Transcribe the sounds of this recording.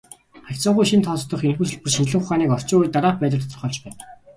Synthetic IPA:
χakʲt͡sʊːʁujʃint̪ʰɔst̪ɞ̆χenxuːsɵ̆ɮpɵ̆rʃind͡ʑɮɘ̆ŋχʊχaːniːkɔr̥t͡ɕʊːuːit̪aɾaːppæːt̪ʲə̆t̪ʰt̪ɞ̆rχɔːɮt͡ɕpæːn

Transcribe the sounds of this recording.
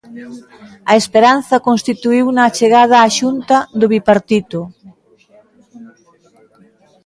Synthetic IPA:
ɐespeɾan̟θɐkonst̪it̪uiwnɐt͡ʃeɣaðaːʃunt̪aðʊβipaɾt̪it̪o

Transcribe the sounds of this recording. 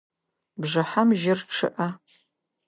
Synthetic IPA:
bʐɨħamʒɪrʈ͡ʂʰɨ̰ʔɐ

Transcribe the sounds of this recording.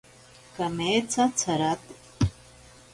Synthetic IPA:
kɐmeːt͡sʰat͡sʰɐɾat̪

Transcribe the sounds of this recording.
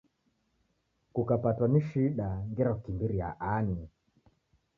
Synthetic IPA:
kukapatwaniʃiɗaŋɡɛɾakukimbiɾia̰ʔani

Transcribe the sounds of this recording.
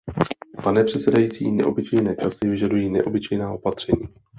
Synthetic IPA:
panɛpr̝̥ɛt̪sɛdajiːt͡siːnɛ̰ʔo̞bɪt͡ʃɛjnɛːt͡ʃasɪvɪʒadujiːnɛ̰ʔo̞bɪt͡ʃɛjnaːʔo̞pat̪r̝̥ɛɲiː

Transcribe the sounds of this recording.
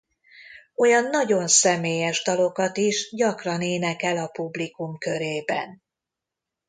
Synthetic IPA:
o̞jɒnːɒɟo̞nsɛmeːjɛʒd̪ɒlo̞kɒt̪iʃɟɒkrɒneːnɛkɛlɒpublikumkø̞ɾeːbɛ̰n

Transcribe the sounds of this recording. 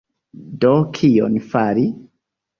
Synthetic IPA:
dɔkʰijɔ̰nfaɾi

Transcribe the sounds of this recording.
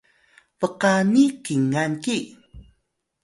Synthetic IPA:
pəqanikiŋanki

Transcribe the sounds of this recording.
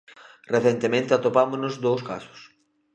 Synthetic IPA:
reθent̪emẽnt̪eat̪opamʊznʊzd̪owska̰sʊ̥s

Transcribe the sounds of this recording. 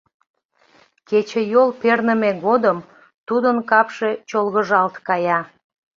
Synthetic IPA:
ket͡ɕejolpernəmeɣod̪əm | t̪ud̪ənkɑpʃe̽t͡ɕolɣəʒɑlt̪kɑjɑ

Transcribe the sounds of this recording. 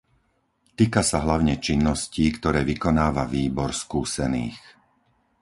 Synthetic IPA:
t̪iːkasaɦlaʊɲɛt͡ʃinːɔsciːkt̪ɔɾɛːʋikɔnaːʋaʋiːbɔɾskuːsɛnḭːx

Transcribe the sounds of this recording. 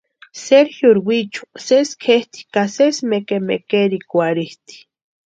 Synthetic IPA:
seɾxjuɾwit͡ʃu̥seskʰeht̪i̥kasesmekemekeɾikʷaɾiht̪i̥

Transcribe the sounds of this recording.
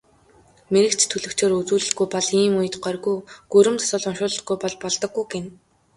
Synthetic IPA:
meɾɘ̆kt͡ɕt̪ʰːɵɮɵ̆kt͡ɕeːɾɵt͡suːɮɘ̆ɡujpɔɮiːmuj̆t̪ɢœrɣujɡ̥ɵɾɘ̆mt̪ʰɔ̥sʊːɮʊnʃʊːɮə̆t̪̚ɡujpɔɮpɔɮt̪ɞ̆ɡujɡen

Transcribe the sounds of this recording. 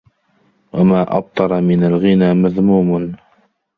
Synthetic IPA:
wamaːʔɑ̰b̚t̪ˤɑɾˤɑmɪnalɣɪnaːmaðmuːmn

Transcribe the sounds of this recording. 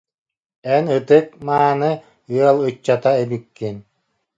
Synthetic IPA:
ɛnɯt̪ɯk̚maːnɯ | yɛlˠɯt͡ɕːat̪aɛbykːin

